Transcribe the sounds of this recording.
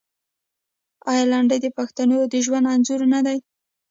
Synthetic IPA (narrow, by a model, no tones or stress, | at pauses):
ajlaɳɖəjd̪əpaxt̪anod̪əʒwand̪anzuɾnad̪aj